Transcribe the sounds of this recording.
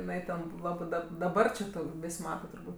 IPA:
ɪˈnɐɪ tʲɛn ˈlˠɑːbɜ dɐp dɐˈbɐr t͡ʃʲɪ ˈtuː ˈʋʲɪsʲ ˈmɑːtɐ tʊrˈbuːtʲ

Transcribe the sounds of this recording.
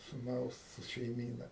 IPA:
sʊˈnɐʊs ʃʲɛɪˈmʲiːnɐ

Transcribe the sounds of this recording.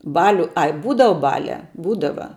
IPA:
ˈbɑːlʲʊ ˈɐɪ ˈbuːdɐʋɐ ˈbɑːlʲæː ˈbuːdɐʋɐ

